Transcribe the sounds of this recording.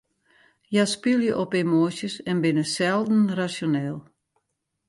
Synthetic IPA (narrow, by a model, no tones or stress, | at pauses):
jaspylˠjəʔɔpemoːsjəsɛnbɪnəsɛlˠdn̩rasjonɛːlˠ